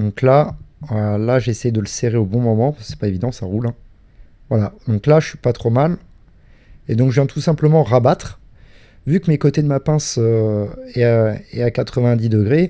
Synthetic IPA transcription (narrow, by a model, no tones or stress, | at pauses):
d̪ɔ̃klaalaʒesɛjd̪ələseʁeobɔ̃mɔmɑ̃paskə̥sɛ̥paevid̪ɑ̃saʁulɛ̃ | vwalad̪ɔ̃klaʒəʃɥi̥pat̪χomal | ed̪ɔ̃kʒəvjɛ̃t̪ʰusɛ̃pləmɑ̃ʁabat̪χ | vykəmekot̪ed̪əmapɛ̃søɛɛakat̪χəvɛ̃d̪id̪əɡʁe